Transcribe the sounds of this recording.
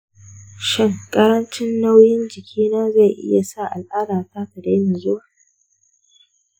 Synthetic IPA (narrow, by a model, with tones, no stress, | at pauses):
ʃɪ˦˨ŋkʼɐ˦ɾɐ˦nt͡ʃɪ˦nːa˦wjɪ˦nd͡ʒɪ˨kʲʰiː˦naː˦za˦˨jʔɪ̰˦ja˨sa˦˨ʔa˨lʔaː˦ɽaː˨taː˦kɐ˨da˦mɪ˨zʊ˦wa˦˨